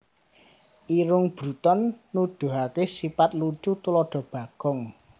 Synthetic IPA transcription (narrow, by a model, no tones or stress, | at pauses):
ʔiɾʊŋb̥ɾṳt̪ɔnːuɖ̪̥ṳɦak̪esipat̪̚lut͡ʃut̪ulɔɖ̥ɔ̤b̥ä̤ɡ̥ɔŋ